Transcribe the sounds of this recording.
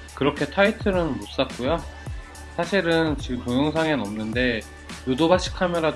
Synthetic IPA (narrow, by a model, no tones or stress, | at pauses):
kɯɾʌkʰe̞tʰaitʰɯɾɯnmos͈ak̚k͈ojo | sʰaɕʰiɾɯnt͡ɕiɡɯmtoŋjʌŋsʰaŋenʌmnɯnde̞ | jodobaɕ͈ʰi̥kʰamjʌɾad